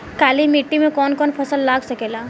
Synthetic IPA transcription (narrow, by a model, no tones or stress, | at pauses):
kaːlimiʈːimẽkɔːnkɔːnpʰɐsəlːaːɡsəkeːlaː